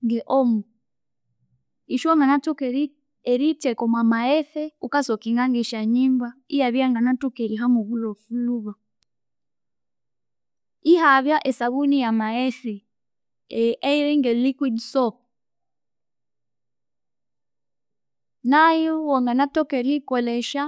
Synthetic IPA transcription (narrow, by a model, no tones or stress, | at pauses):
ŋɡeʔomu | iʃoŋɡanatukeɾiː | ɾitekomwamaeθeukasokiŋɡaŋɡiʃaɲiːmbaijaβjaŋɡanatukeɾiɦamuβulofuluβa | ihaβjaʔesaβunijamaɛθi | eiɾiŋɡɛlikwidsɔp̚ | najiwɔŋɡanatɔkeɾikɔlɛʃa